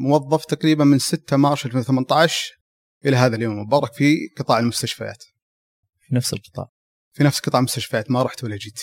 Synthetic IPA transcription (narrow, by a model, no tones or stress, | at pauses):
mʊwɑðˤːɑft̪aɑqɾiːbanmɪnsɪt̪ːamɑʃɪlfeːnwθamant̪aʕʃ | ʔɪlaɦaːðaljoːmːʊbɑːɾˤɑkfiqɨt̪ˤɑːʕalmʊst̪aʃfa̰ja̰ːt̪ | finafsɪ̰lqɨt̪ˤɑ̰ːʕ | finafsqɨt̪ˤɑːʕlmʊst̪aʃfajaːt̪maɾˤɑːħt̪walːad͡ʒiːt̪